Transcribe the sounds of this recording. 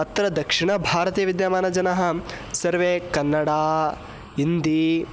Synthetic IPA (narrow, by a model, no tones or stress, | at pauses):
ɐt̪ɾɐd̪ɐkʂiɳɐbʱaːɾɐt̪iːɐʋid̪jaːmaːnɐd͡ʒɐnɐɦɐ | sɐɾʋeːkɐnːɐɽaː | ind̪i